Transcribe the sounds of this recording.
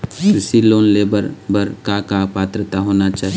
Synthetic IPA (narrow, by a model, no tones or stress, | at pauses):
sɪsiloːnleːbəɾbəɾkakapaːt̪ɾət̪aɦonat͡ʃaːɦ